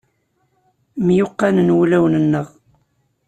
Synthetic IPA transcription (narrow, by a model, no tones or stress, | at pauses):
mjʊqːɑnənwulæwnənːəʁ